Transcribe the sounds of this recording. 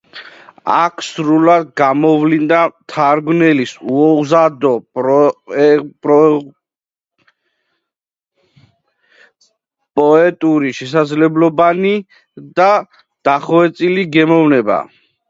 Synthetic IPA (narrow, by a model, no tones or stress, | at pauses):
a̰kʰsɾulad̪̚ɡamɔvlind̪at̪ʰaɾɡnɛlisuɔzad̪ɔpɾɔ | pɾɔ | pʼɔɛt̪ʼuɾiʃɛsad̪zlɛblɔbani | d̪a | d̪̥aχɔɛt̪sʼiliɡɛmɔvnɛba̰